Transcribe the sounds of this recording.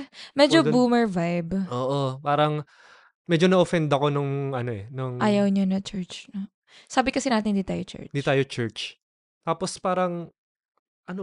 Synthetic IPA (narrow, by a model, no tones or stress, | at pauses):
mɛd͡ʒobuːmɛɹvajbʔoːʔopaːɾɐŋ | mɛd͡ʒonɐʔofɛnd̪ɐko̞nʊŋʔɐno̞ʔɛnʊŋʔaːjɐwɲɐnɐt͡ʃɛɹt͡ʃnɐ | saːbɪkɐsɪnaːt̪ɪnd̪it̪aːjot͡ʃɛ̰ɹd̪it̪aːjot͡ʃɛɹt͡ʃ | t̪aːpospaːɾɐŋ | ʔɐno